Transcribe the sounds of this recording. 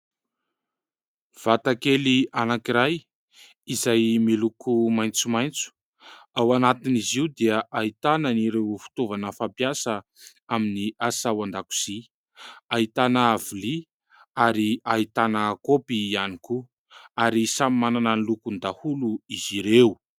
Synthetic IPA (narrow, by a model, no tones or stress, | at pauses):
v̥at̪akelianakiɾaj | izajmilukʰumajnt͡sumajnt͡su̥ | awanat̪iniziud̪iəʔait̪anəniɾewfu̥t̪ovanəfampjasə | aminiʔasawand̪aku̥z̥i | ait̪anəːvuli | aɾiait̪anəkopiːaniku | aɾisamimananənlukund̪ahuluiziɾeu